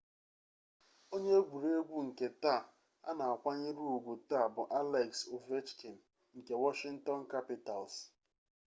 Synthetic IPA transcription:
o˦ɲe˦ɡʷu˨ɾe˦ɡʷu˦ŋ̩˨ke˨ta˦˨ | a̰˦na˨a˨kʷa˦ɲɪ˦ɾu˦u˨ɡʷu˨ta˦˨bʊ˨ʔa˦lɛ˨kso˨ve˦t͡ʃkʰe˨m̩˨ | ŋ̩˨ke˨wɔ˦ʃɪ˦ŋ̩˦tɔ˦n˦ka˦pɪ˦ta˨ls

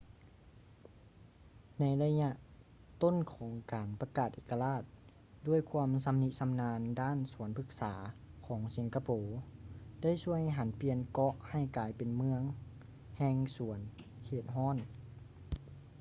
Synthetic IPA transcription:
na˧˥jla˧ɲa˧ʔ | t̪o˥˨nkʰɔː˩˦ŋkaː˨npa˧kaː˨˩t̪̚ʔeː˧˩kːa˧laː˧˥˩t̪̚ | du˧˥˩əjkʰuː˧əmsa˧˦mni˧t̪̚sa˧˦mnaː˧ndaː˥˨nsu˩˦ənpʰɯ˧˥k̚saː˩˦kʰɔː˩˦ŋsi˩˦nka˧poː˨da˥˨jsu˧˥˩əjɦa˨˦npi˧ənkɔ˧ʔha˧˩jkaː˨˩jpe˨nmɯ˧əŋ | hɛː˧ŋsu˩˦ən | kʰeː˧˩t̪̚ɦɔː˥˨n

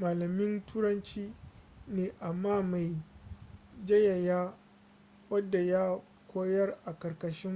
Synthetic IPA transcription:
maː˨lɐ˨mɪ˦ntuː˦ɾɐ˦nt͡ʃiː˦neː˨ʔa˨mːaː˦ma˨j | d͡ʒɐ˦ja˨jaː˦ | wɐ˦dːa˨ja˦ | kʷʰoː˦jɐ˦rʔa˨kɐ˨rkɐ˨ʃɪ˦m

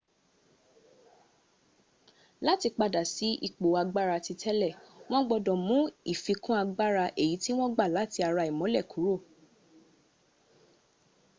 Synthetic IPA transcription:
la˦ti˧k͡pa˧da˨si˨˦ʔḭ˦˨k͡po˨a˧ɡ͡ba˦ɾa˧ti˧tʰɛ˦lɛ˦˨w̃ɔ̃˦ɡ͡bɔ˧dɔ̃˨mũ˨˦i˦˨fi˧kũ˦a˧ɡ͡ba˦ɾa˧ʔe˦˨ji˨˦ti˦w̃ɔ̃˦ɡ͡ba˦˨la˨˦ti˧a˧ɾa˧i˨mɔ̃˨˦lɛ˦˨ku˨˦ɾo˦˨

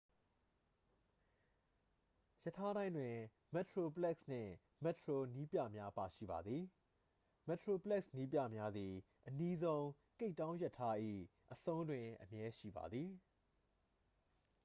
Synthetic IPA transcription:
jə˦˨tʰːa˦ɾã˦ɪ̃ndwɪ̃˨ | mɛ˨tʰɹo˨pəlɛ˦ksn̥ɪ̰̃˦˨ | mɛ˦˨tʰɹo˨ni˦pja̰˦˨mja˦pa˨ʃḭ˦˨ba̰˨d̪ði˨ | mɛ˨tʰɹo˨pəlɛ˦k̚sni˦pjä̰˦˨mja˦d̪ði˨ | ʔəni˦zõ˦ʊ̃ | ke˦ɪtːã˦ʊ̃jɛ˦tʰːa˦ʔḭ˦˨ʔəsõ˦ʊ̃ndwɪ̃˨ʔəmjɛ˦ʃḭ˦˨ba̰˨d̪ði˨

